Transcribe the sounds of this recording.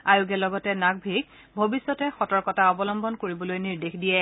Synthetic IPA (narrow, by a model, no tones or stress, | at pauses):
ajʊɡɛlɔɡɔtɛnaɡ̚bʱiɡ | bʱobisːɔtɛxɔtɔɹkɔtaɔbɔlɔmbɔnkoɹibɔlojniɹdexdijɛ